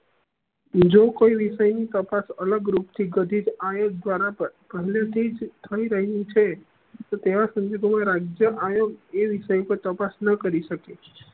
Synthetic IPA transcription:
d͡ʒokoiʋiʃəjnit̪əpasələɡɾupt̪ʰiɡəd̪ʱid͡ʒajoɡ̚d̪ʋaɾapəɾpəɦlet̪ʰid͡ʒt̪ʰəiɾəɦnĩt͡ʃʰe | t̪ot̪eʋasəɲd͡ʒoɡmãɾad͡ʒjəʔajoɡeʋiʃəjpəɾt̪əpasnəkəɾiʃəke

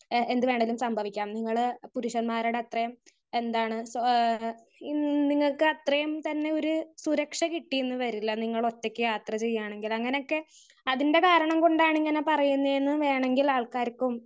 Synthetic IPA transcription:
e̞nd̪ɨʋe̞ːɳɖilumsɐmbʱɐʋikʲːaːmniŋːɐɭpuɾuʂɐnmaːɾuɽeɐt̪rɐjɐm | e̞nd̪aːɳɨs | niŋːɐɭkɨɐt̪rɐjɐmt̪ɐnːe̞o̞ɾusuɾɐkʂɐkiʈːijenːɨʋɐɾilːɐniŋːɐɭo̞tːekʲːɨjaːt̪rɐt͡ɕe̞jːaːɳe̞ŋɡilɐŋːɐne̞jo̞kːe̞ | ɐðinde̞kaːɾɐɳɐmko̞ɳɖaːɳiŋːɐne̞pɐrɐjunːɐenːɨʋe̞ːɳe̞ŋɡilaːɭkaːɾɐkːum

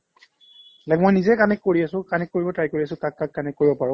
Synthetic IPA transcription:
lɛk̚mojnizɛkanɛkːoɹiasʊ̃kanɛkːoɹibɔtajkoɹiasʊ̃kakːakːanɛkːoɹibɔpaɹʊ̃

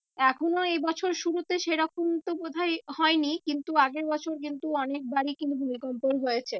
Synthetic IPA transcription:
ɛkʰonoejbɔt͡ɕʰoɾʃuɾut̪eʃeɾɔkʰont̪obod̪ʱaehɔenikint̪uaɡeɾbɔt͡ɕʰoɾk̬int̪uɔnek̚baɽikinubʱumikɔmponɦojet͡ɕʰe

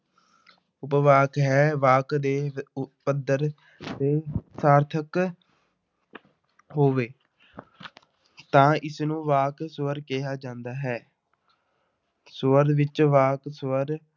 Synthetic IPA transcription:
ʊpʋaːkɦɛːʋaːkd̪eːpəd̪əɾ | t̪eːsaːɾt̪ʰək | ɦoːʋeː | t̪ãːɪsnũːʋaːksʋəɾkejaːd͡ʒãːnd̪aːɦɛː | sʋəɾʋɪt͡ʃʋaːksʋəɾ

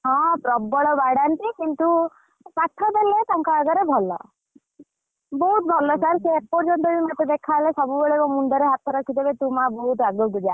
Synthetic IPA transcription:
ɦɔ̃pɾɔbɔɭɔbaɽant̪ikint̪u | paʈʰːɔb̪elet̪aŋkaaɡɔɾebʱɔlɔ̰ | bɔɦut̪̚bʱɔlɔsaɾsep̚pɔɾd͡ʒɔnt̪ɔɾimat̪ed̪ekʰalesɔbubeɭemɔmund̪ɔɾeɦat̪ɔɾɔkʰid̪ebet̪umabɔɦut̪aɡɔɡud͡ʒa

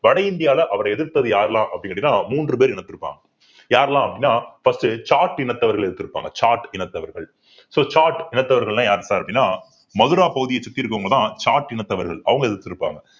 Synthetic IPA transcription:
ʋɐɽɐɪnd̪ɪjaːlɐʔɐʋɐɾɐɛðɪɾt̪ːɐðɯjaːɾlãːʔɐpːɐɽɪŋɐɽɪnːaːmuːndrɯpeːɾɪɳɐt̪ːɯɾɯpːa̰ːŋɡɐ | jaːɾɛlãːɐpːɐɽɪnːaːfɐsʈɯt͡ʃaːɾʈɪɳɐt̪ːɐʋɐɾɣɐɭɛðɯt̪ːɯɾɯpːa̰ːŋɡɐt͡ʃaːɾʈɪnɐt̪ːɐʋɐɾɣɐɭ | soːt͡ʃaːɾʈɪnɐt̪ːɐʋɐɾɣɐɭlãːjaːɾɐsaːɾɐpːɐɽɪnːaː | mɐðɯɾaːpɐɣɯðɪjɐt͡ʃːɪk̚t̪ːɪɪɾɯkːɐŋɡɐɭt̪ãːt͡ʃaːɾʈɪɳɐt̪ːɐʋɐɾɣɐ̰ɭɐ̰ʋɐŋɡɐɛðɯɾt̪ːɯɾɯpːa̰ːŋɡɐ

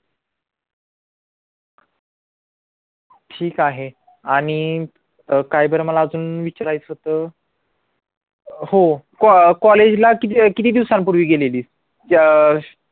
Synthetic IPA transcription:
ʈʰiːkaɦe | aɽ̃i | kajbəɾməlaəd͡zuːnʋit͡ɕaɾajt͡sɦot̪əː | hokkɔled͡ʑlakit̪kit̪iːd̪iʋsampuɾʋiːɡeleliːs

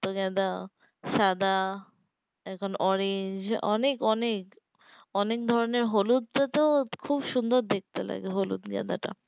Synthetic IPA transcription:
t̪oɡɛd̪a | ʃad̪a | ɛkʰonʔɔɾeɲd͡ʑɔ̰nekɔnek | ɔnek̚d̪ʱɔɾoneɾɦolud̪̚ʈat̪okʰubʃund̪oɾd̪ek̚t̪ela̰ɡeɦolṵd̪ɡɛ̰d̪a̰ʈa̰

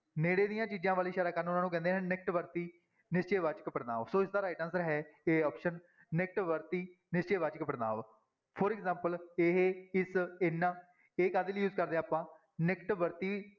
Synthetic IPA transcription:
neːɽeːd̪ijãːt͡ʃiːd͡ʒãːʋaːliːʃaːɾaːkəɾnʊnãːnuːk̬ɛ̃nd̪eːɦɛ̃ːnɪk̚ʈʋəɾt̪iː | nɪst͡ʃeːʋaːt͡ʃkəpəɽna̰ːʋsoːɪsd̪aːɾaːʈãnsəɾɦɛːeːɔːpʃənː | ɪk̚ʈʋəɾt̪iː | nɪst͡ʃeːʋaːd͡ʒkəpəɾna̰ːʋ | pʰɔːɾɛkzãːmpəleːɦɪsɪnːãː | eːkaːd̪iːlːjuːzkəɾd̪ẽːaːpãː | nɪkʈʋəɾt̪iː

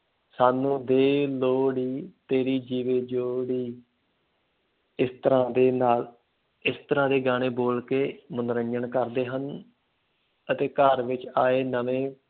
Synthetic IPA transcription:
saːnũːd̪eːloːɽiːt̪eːɾiːd͡ʒiːʋeːd͡ʒoːɽiː | ɪst̪əɾãːd̪eːnaːl | ɪst̪əɾãːd̪eːɡaːɽ̃eːboːlkeːmənɾəɲd͡ʒəɳkəɾd̪eːɦən | ət̪eːkəɾʋɪt͡ʃaːeːnəʋẽː

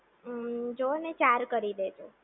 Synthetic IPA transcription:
d͡ʒoənet͡ʃaɾkəɾid̪ed͡ʒo

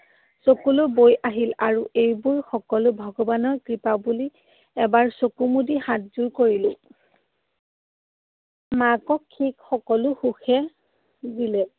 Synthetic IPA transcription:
sokulʊbojʔaɦilaɹuejbuɹxɔkɔlʊbʱɔɡɔbanɔkɹipabuli | ɛbaɹsokumudihat̚zuɹkoɹilʊ̃ | makɔkʰːikxɔkɔlʊxuxɛ | zilɛ

